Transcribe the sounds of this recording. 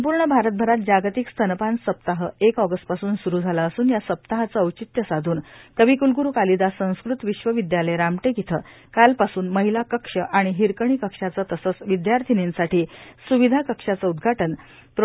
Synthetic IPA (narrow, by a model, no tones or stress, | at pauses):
səmpuɾɳəbʱaɾət̪̚bʱəɾat̪̚d͡ʑaɡt̪ikst̪ʰənpansəp̚t̪aɦəekɔɡəsʈ̚pasuːnsuɾuːd͡zʱalaəsuːnjasəp̚t̪aɦat͡səəwt͡ɕit̪jəsad̪ʱuːnt̪əʋiːkulɡuɾuːkalid̪asə̃w̃skɾut̪ʋiɕʋəʋid̪jaləjɾamʈeɡit̪ʰə̰ː | kalpasuːnməɦilakəkʂəʔaɽ̃iɦiɾkəɳ̃iːkəkʂat͡sət̪əsət͡sʋid̪jaɾt̪ʰinensaʈiːsuʋid̪ʱakəkʂat͡səud̪ɡʱaʈən | p